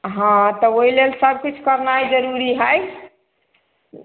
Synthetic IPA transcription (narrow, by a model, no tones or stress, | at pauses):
ɦãt̪ɔoɦilelsəb̚ʱkit͡ʃʰkəɾnajd͡ʒəɾuɾiɦəj